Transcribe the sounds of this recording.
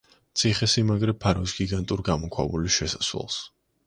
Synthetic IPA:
t̪sʰiχɛsimaɡɾɛpʰaɾɔisɡiɡant̪ʼuɾɡamɔkʰwa̰buliʃɛsḁswɛ̰lˠs

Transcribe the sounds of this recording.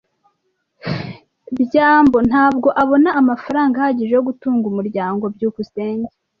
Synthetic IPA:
bɟaːmbo̞n̥haːb̚ɡo̞ʔaβo̞naːmafaɾaːŋɡahaɟiʒejoɡutuːŋɡumuɾɟaːŋɡo̞bjuːkuseːɲɟe

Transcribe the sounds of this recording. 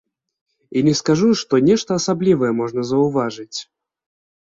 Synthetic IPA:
inʲɛskaʐuʂt̪ɔnʲɛʂt̪ɐːsablʲivɐjɛmɔʐnɐzɐwvaʐɨt͡sʲ

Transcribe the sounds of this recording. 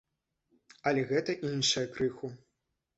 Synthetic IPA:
ɐlʲɛɣɛt̪ɐʔinʂɐjɐkɾɨxu

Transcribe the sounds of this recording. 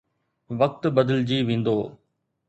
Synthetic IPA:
ʋɐk̚t̪bɐd̪əld͡ʑiːʋẽːn̆d̪oː

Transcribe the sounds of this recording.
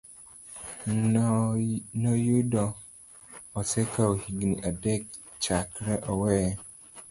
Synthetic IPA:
nɔjodɔ̃ | ɔsɛkʰaohiɡniʔadɛk̚ | t͡ʃakɾɛʔɔwɛ

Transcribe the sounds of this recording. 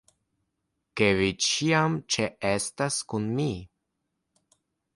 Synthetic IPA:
kevit͡ʃiamt͡ʃeestaskunmi

